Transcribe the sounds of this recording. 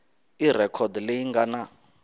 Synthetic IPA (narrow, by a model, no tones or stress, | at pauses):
irɛkʰɔdleiŋɡana